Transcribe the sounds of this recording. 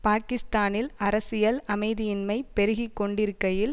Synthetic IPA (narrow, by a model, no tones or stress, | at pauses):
paːkɪst̪aːnɪlɐɾɐsɪjɐlɐmɐɪðɪjɪnmɐɪpɛɾɯɣikːɔɳɖɪɾɯkːɐjɪl